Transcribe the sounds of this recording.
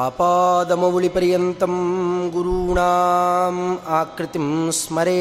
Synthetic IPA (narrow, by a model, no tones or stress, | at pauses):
aːpaːd̪ɐmɐʋuɭipɐɾjɐnt̪ɐmɡuɾuːɳaːmaːkɾɪt̪imsmɐɾeː